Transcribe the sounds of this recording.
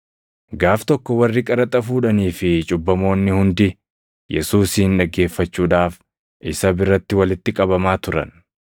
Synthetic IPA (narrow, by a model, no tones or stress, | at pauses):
ɡaːft̪ɔkːɔwɐrːɪkʼɐɾɐt̪ʼɐfuːᶑɐniːfɪt͡ʃʼʊbːɐmo̞ːnːɪhʊnd̪ɪ | jɛsuːsiːnᶑɐɡe̞ːfːɐt͡ʃːuːᶑaːf | ʔɪsɐbɪɾːɐt̪ːɪwɐlɪt̪ːɪkʼɐbɐmaːt̪ʊɾɐ̰n